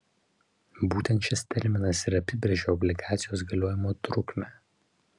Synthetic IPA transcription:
buːt̪ʲɛnt̪ʃʲɪst̪ʲɛɾʲmʲɪnɐsɪɾɐpʲɪbʲɾʲeɛʒʲoːɔbʲlʲɪɡɑːt̪sʲɪjoːsɡɐlʲoɔjɪmoːt̪ɾʊkmʲæː

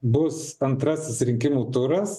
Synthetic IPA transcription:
bʊsɐnt̪ɾɐsʲɪsɾʲɪŋʲkʲɪmuːt̪ʊɾɐs

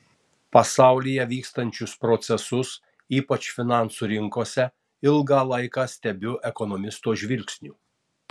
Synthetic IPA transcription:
pɐsɑˑʊlʲijɛʋʲiːkst̪ɐnʲt͡ʃʲʊspɾɔt̪sʲɛsʊs | iːpɐt͡ʃfʲɪnɑˑnsuːɾʲɪŋkoːsʲɛ | ɪlˠɡɑːlˠɐɪkɑːsʲt̪ʲɛbʲʊʔɛkɔnɔmʲɪst̪oːʒʲʋʲɪlʲkʲsʲnʲuː

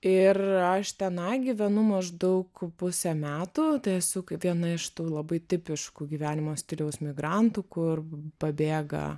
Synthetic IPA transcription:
ɪrɐʃt̪ʲɛnɐɪɡʲiʋʲɛnʊmɐʒd̪ɐʊkpʊsʲɛmʲæːt̪uːt̪ɐɪɛsʊkʋʲiɛnɐɪʃt̪uːlˠɐbɐɪt̪ʲɪpʲɪʃkuːɡʲiːʋʲæːnʲɪmoːsʲt̪ʲɪlʲɛʊsmʲɪɡɾɐnt̪uːkʊrpɐbʲeːɡɐ̰

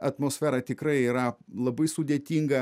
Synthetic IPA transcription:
ɐt̪moːsʲfʲæːɾɐt̪ʲɪkɾɐɪiːɾɐlˠɐbɐɪsʊd̪ʲeːt̪ʲiːŋɡɐ

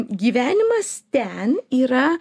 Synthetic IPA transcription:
ɡʲiːʋʲæːnʲɪmɐst̪ʲɛniːɾɐ

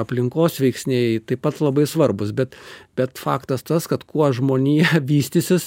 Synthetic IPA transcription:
ɐpʲlʲɪŋkoːsʋʲɛɪksʲnʲeɪt̪ɐɪpɐt̪lˠɐbɐɪsʋɐrbʊsbʲɛt̪b̥ʲɛt̪fɑ̰ːkt̪ɐst̪ɐskɐt̪kuɔʒmoːnʲiːʋʲiːsʲt̪ʲɪsʲɪs

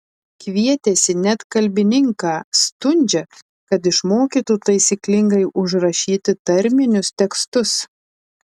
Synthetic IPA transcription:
kʲʋʲiɛt̪ʲesʲɪnʲɛt̪kɐlʲbʲɪnʲɪŋkɑːst̪ʊnʲd͡ʒʲɛ | kɐt̪ɪʃmoːkʲiːt̪ut̪ɐɪsʲiklʲɪŋɡɐɪʔʊʒɾɐʃʲiːt̪ʲɪt̪ɐɾʲmʲɪnʲʊst̪ʲɛkst̪ʊs

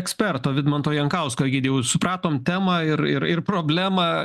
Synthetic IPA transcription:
ɛksʲpʲɛrt̪oːʋʲɪd̪mɐnt̪oːjɛŋkɐʊskoɡʲɪːd̪ʲejɛʊsʊpɾɑːt̪oːmt̪ʲæːmɐːɪɾɪɾɪrpɾoːbʲlʲæːmɑː

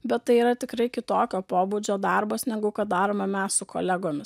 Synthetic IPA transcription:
bʲɛt̪tɐɪiːɾɐt̪ʲɪkɾɐɪkʲɪt̪oːkʲoːpoːbuːd͡ʒʲoːd̪ɑɾboːsnʲɛɡʊkɐt̪̚d̪ɑːɾoːmɐmʲɛssʊkʰo̰lʲɛɡoːmʲɪs

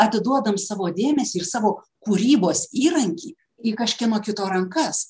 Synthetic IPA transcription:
ɐt̪ʲɪd̪uɔd̪ɐmsɑːʋoːd̪ʲeːmʲɛsʲiːɪrsɑːʋoː | kuːɾʲiːboːsiːɾɐŋʲkʲiː | iːkɐʃʲkʲɛnoːkʲɪt̪oːɾɐŋkɐs

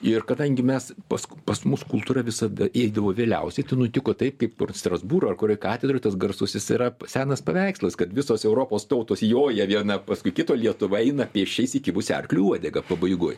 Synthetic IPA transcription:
ɪrkɐd̪ɐŋʲɡʲɪmʲɛspɐskpɐsmʊskʊlˠt̪uːɾɐʋʲɪsɐd̪ɐʔeːd̪ɐʋoːʋʲeːlʲɛʊsʲɛɪt̪ɐɪnʊt̪ʲɪkoːt̪ɐɪp̚kɐɪpkʊrst̪rɐzbuːɾoːɐrkʊɾʲoːjkɑːt̪ʲɛd̪ɾoːɪt̪ɐsɡɐrsʊsʲɪsɪɾɐsʲæːnɐspɐʋʲæɪkslˠɐskɐt̪ʋʲɪsoːsɛʊɾoːpoːst̪ɐʊt̪oːsjoːjɛʋʲiɛnɐpɐskʊɪkʲɪt̪oːlʲiɛt̪ʊʋɐɛɪnɐpʲeːʃʲt͡ʃʲɛɪsɪkʲɪʋʊsʲɛ̰rklʲuuɔd̪ʲɛɡɐpɐbɐɪɡʊj

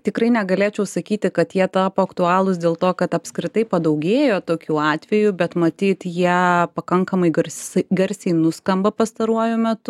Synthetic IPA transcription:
t̪ʲɪkɾɐɪnʲɛɡɐlʲeːt͡ʃʲɛʊsɐkʲiːt̪ʲɪkɐt̪jiɛt̪ɑːpoːɐkt̪ʊɑːlˠʊsd̪ʲeːlˠt̪oːkɐt̪ɐpʲskɾʲɪt̪ɐɪpɐd̪ɐʊɡʲeːjoːt̪oːkʲuːɑːt̪ʲʋʲɛjʊbʲɛt̪mɐt̪ʲiːt̪jiɛpɐkɐŋkɐmɐɪɡɐɾʲsʲsɡʲɛɾʲsʲɛɪnʊskɐmbɐpɐst̪ɐɾuɔjʊmʲɛt̪ʊ

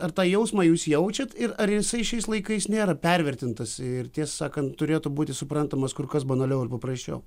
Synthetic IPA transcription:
ɐrt̪ɑːjɛʊsmɑːjuːsjɛʊt͡ʃʲɛt̪ɪɾɐrjɪsɐɪʃʲɛɪslˠɐɪkɐɪsnʲeːɾɐpʲɛɾʲʋʲɛrʲt̪ʲɪnt̪ɐsʲɪɪrt̪ʲiɛssɑːkɐnt̪t̪ʊɾʲeːt̪ʊbuːt̪ʲɪsʊpɾɐnt̪ɐmɐskʊrkɐsbɐnɐlʲɛʊɪrpɐpɾɐsʲt͡ʃʲɛ̰ʊ

